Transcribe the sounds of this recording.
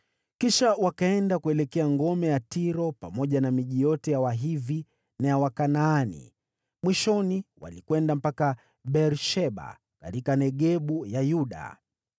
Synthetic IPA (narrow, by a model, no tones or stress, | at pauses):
kiʃawakaɛndakuɛlɛkɛaŋɡɔmɛjatiɾɔpamɔʄanamiʄijɔtɛjawaɦivi | najawakanaːnḭ | mwiʃɔniwa̰likwɛndam̩paka | ɓɛɾʃɛɓa̰ | katikanɛɠɛɓujajuɗa̰